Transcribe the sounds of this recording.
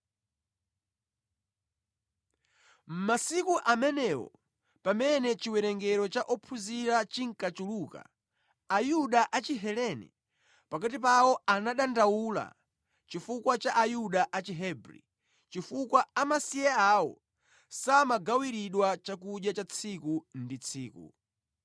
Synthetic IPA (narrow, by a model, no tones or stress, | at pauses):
m̩masikuʔamɛnɛwɔ̰ | pamɛnɛt͡ʃiwɛɾɛŋɡɛɾɔt͡ʃaʔɔpʰuziɾat͡ʃiŋ̩kat͡ʃuluka̰ | ajuɗaʔat͡ʃiɦɛlɛnɛ̰ | pakatip̬awɔanaɗandawula̰ | t͡ʃifukwat͡ʃaʔajuɗaʔat͡ʃiɦɛbɾḭ | t͡ʃifukwaamasijɛaːwɔ̰ | samaɡawiɾiɗwat͡ʃak̬uʄat͡ʃat͡sʰikundit͡sʰiːkṵ